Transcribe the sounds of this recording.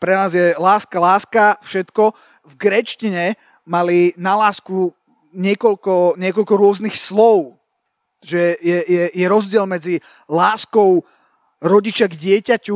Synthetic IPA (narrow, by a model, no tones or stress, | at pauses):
pɾɛnaːzjɛlaːskalaːskafʃɛt̪kɔ | vɡɾɛt͡ʃciɲɛ | malinalaːsku | ɲɪɛkɔlkɔɲɪɛkɔlkɔɾʊɔznixslɔʊ | ʒɛjɛjɛjɛɾɔzɟɪɛlmɛd͡zi | laːskɔʊ | ɾɔɟit͡ʃaɡɟɪɛcacu